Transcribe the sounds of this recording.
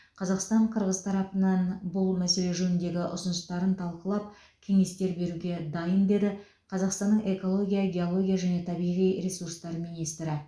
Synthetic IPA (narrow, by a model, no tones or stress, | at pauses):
qʰɑzɑqst̪ɑɴqʰəɾʁəz̥t̪ʰɑɾɑpənɑnbʊlˠmæse̞le̞ʒɵnɪnd̪e̞ɡʲɪʔʊsənəst̪ɑɾənt̪ʰɑlˠqəlˠɑp̚ | kʲʰe̞ŋe̞st̪e̞ɾbe̞ɾuɡʲe̞d̪ɑjənd̪e̞d̪ɪ | qʰɑzɑqst̪ɑnːəɴe̞ko̞lˠo̞ɡʲijaɡʲe̞o̞lˠo̞ɡʲijaʒæne̞t̪ʰɑbijʁijɾe̞suɾst̪ɑɾmijnijst̪ɾɪ